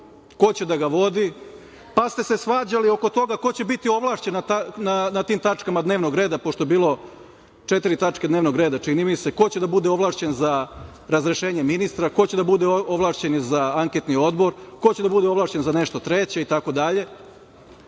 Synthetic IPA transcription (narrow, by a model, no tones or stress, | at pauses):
ko̞t͡ɕe̞d̪aɡaʋo̞d̪i | past̪e̞se̞sʋaːd͡ʑalio̞ko̞t̪o̞ɡako̞t͡ɕe̞bit̪io̞ʋlˠaːʃt͡ɕe̞nat̪ananat̪iːmt̪at͡ʂkamad̪ne̞ːʋno̞ɡɾeːd̪apo̞ʃt̪oe̞biːlo̞ | t͡ʃe̞t̪iɾit̪at͡ʂked̪neʋno̞ɡɾe̞ːd̪at͡ʃinimise̞ko̞t͡ɕed̪abud̪e̞o̞ʋlˠaːʃt͡ɕe̞nza | ɾazɾe̞ʃeːɲe̞minist̪ɾako̞t͡ɕe̞d̪abud̪eoʋlˠaːʃt͡ɕe̞nizaaŋke̞t̪nio̞d̪bo̞ɾko̞t͡ɕe̞d̪abud̪eo̞ʋlaːʃt͡ɕe̞nzane̞ʃt̪o̞t̪ɾe̞t͡ɕe̞it̪ako̞d̪aʎe̞